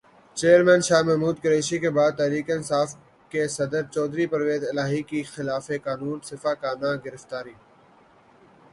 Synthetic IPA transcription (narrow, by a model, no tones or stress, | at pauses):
t͡ʃeːəɾmɛ̃ːnʃaːmɛɦmuːd̪̚kəɾeːʃikebaːd̪̚t̪ɛːɾiːkeɪnsaːf | kesɐd̪əɾt͡ʃɔːd̪ɾiːpəɾʋeːzɪlaːɦikixɪlaːfekaːnuːnsɪfaːkaːnãːɡɪɾəft̪aːɾiː